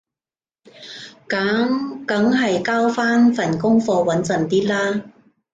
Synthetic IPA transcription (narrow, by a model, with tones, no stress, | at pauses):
ka˨˥ŋkɐ˨˥ŋɦɐ˨jkaː˥wfaː˥nfɐ˨˩nkʊ˥ŋfɔː˧wɐ˨˥nt͡sɐ˨˩nt̪iː˥t̚laː˥